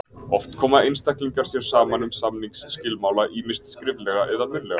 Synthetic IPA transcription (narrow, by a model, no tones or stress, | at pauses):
ɔft̪kʰɔːmaðejnst̪ɛhkliŋkaɾ̥sjɛɾ̥saːmanʏmsamniŋksːcɪlmaːwlaʔiːmɪst̪skɾɪvlɛɣaʔɛðamʏɾlɛɣa̰